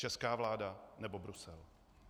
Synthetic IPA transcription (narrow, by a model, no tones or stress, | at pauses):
t͡ʃɛskaːvlaːdanɛbobɾusɛl